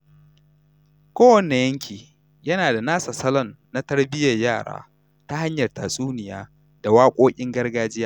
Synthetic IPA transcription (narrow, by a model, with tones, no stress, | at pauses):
kʷoː˦wɐ˨ne˨jɐ˦ŋkʲʰiː˨ | jɐ˦naː˨da˨naː˦sa˨sɐ˦lɔ˦nːa˦tɐ˦ɽbɪ˦jɐ˨rjaː˦˨ɽa̰ː˦ | ta˦ha˦ɲjɐ˨rtaː˨sʼuː˦nɪ˨ja̰ː˦ | d̥a˨waː˦kʷʼoː˦kʲʼɪ˦ŋɡɐ˦rɡaː˦d͡ʒɪ˦jaː˦